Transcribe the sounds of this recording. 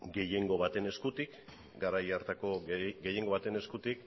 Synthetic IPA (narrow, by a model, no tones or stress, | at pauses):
ɡe̞je̞ŋɡo̞βat̪e̞ne̞skut̪ik | ɡaɾajaɾt̪ako̞ɡe̞je̞ŋɡo̞βat̪e̞ne̞skut̪ik